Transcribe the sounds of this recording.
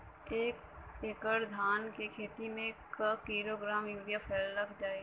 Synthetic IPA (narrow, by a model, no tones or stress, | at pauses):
eːk | eːkəɾd̪ʱaːnkekʰeːt̪imẽkakiːɾoɡɾaːmjɪ̃ːɖijapʰeːlːɐkd͡ʒaːe